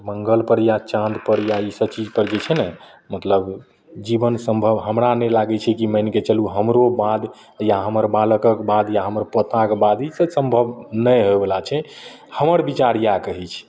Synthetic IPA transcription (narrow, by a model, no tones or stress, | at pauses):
məŋɡəlpəɾjat͡ʃãnd̪pəɾjaisəbt͡ʃid͡ʒpəɾd͡ʒet͡ʃʰɛnɛ | mət̪ləb | d͡ʒibənsə̃mbʱəbɦəmɾanɛlaɡɛt͡ʃʰɛkimənket͡ʃəluɦəmɾobad̪ | jaɦəməɾbaləkəkbad̪jaɦəməɾpət̪akebad̪isəsə̃mbʱəbnəjɦoebelat͡ʃʰɛ | həməɾbit͡ʃaɾjakəɦɛt͡ʃʰ